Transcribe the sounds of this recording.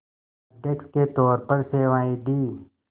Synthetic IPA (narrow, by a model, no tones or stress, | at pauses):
ɖeksket̪ɔːɾpəɾseːʋaːid̪iː